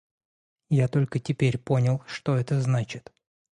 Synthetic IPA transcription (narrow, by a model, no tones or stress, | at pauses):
jat̪o̞lʲkətʲɪpʲeɾʲpo̞nʲɪlˠʂt̪o̞ɛt̪əznat͡ɕɪt̪